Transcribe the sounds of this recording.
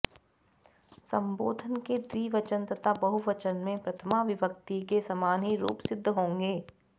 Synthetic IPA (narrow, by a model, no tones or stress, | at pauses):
sɐ̃mboːd̪ʱənked̪iːʋɐt͡ʃə̃nt̪ɐt̪abɐɦuʋɐt͡ʃənmẽpɾɐt̪ʰəmaʋɪʋək̚t̪ikesɐmaːnɦiɾṵːpsɪd̪ʱːɦõːŋɡeː